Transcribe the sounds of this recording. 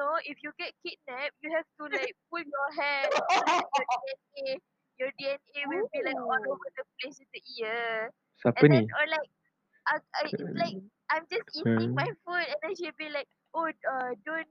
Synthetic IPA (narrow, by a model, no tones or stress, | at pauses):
noʔifjuɡɛt̚kit̚nɛp̚juhɛvtulaɪk̚puljɔɦɛtjɔdiɛ̃ne | jɔdiɛ̃newilbilaɪkɔlovədəp̚lesɛtuʔiə | sapɛ̃əndinɔlaɪk̚ | aalaɪk̚ | ãjmd͡ʒasiĩŋmajfutɛ̃ndɛ̃ʃilbilaɪk̚ | oədõn